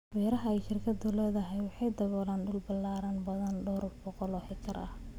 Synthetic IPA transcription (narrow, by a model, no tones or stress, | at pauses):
wɛːɾɐɦɐɛjʃɪrkʰɐd̪ʊlɛːðɐɦɛjwɑħɑjd̪ɐβɔlaːnɖʊlbɐlːaːɾɐnbɐðɐnɖʊɾbɔqɔlɔhɪkʰɐ̰rʔɐ̰h